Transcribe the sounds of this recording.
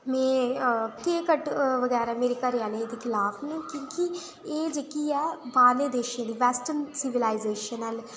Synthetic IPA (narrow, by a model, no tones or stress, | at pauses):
mɛ̃ːkeːkəʈʋəɡɛːɾaːmeːɾeːkəɾɪjaːled̪eːkʰɪlaːpʰnãkjõːki | eːd͡ʒekiːɛːbaːleːd̪eːʃiãːd̪iːʋɛːsʈənsɪʋɪlaːɪzeːʃənəl